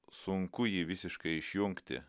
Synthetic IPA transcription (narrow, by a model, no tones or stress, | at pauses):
sʊŋkʊjiːʋʲɪsʲɪʃkɐɪɪʃʲjʊŋkt̪ʲɪ̰